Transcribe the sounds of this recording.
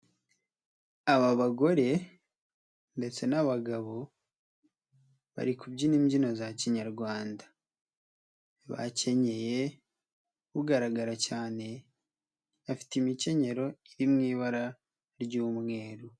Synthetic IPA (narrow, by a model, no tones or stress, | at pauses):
aβaβaɡo̞ɾe̞ | nde̞t͡se̞naβaɡaβo̞ | βa̰ɾikubɟiniːɲɟino̞zaciɲaɾɡwaːnda | βa̰ce̞ɲe̞je̞ | uɡaɾaɡaɾacaːne̞ | afi̥timice̞ɲe̞ɾo̞iɾimŋiːβaɾa | ɾɟuːmŋe̞ːɾu